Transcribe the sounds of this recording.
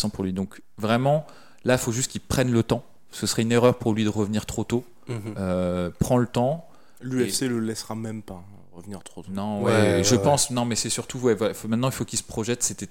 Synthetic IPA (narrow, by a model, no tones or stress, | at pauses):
sɑ̃puʁlɥid̪ɔ̃k | vʁɛmɑ̃ | lafoʒyst̪̚kʲilpχɛnlət̪ɑ̃ | səsəχɛyneʁœʁpuʁlɥid̪əʁəvniʁt̪χot̪o | øpχɑ̃lət̪ɑ̃ | lyɛfseləlɛsʁamɛmpã | ʁəvniʁt̪χonɔ̃wɛʒəpɑ̃snɔ̃mɛsɛsyʁt̪uwɛvwamɛ̃t̪nɑ̃ilfokʲilsə̥pχɔʒɛt̪set̪ɛ